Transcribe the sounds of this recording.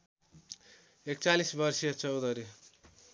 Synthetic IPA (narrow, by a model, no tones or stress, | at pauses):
ek̚t͡salisbʌrsijʌt͡sʌwd̪ʌɾi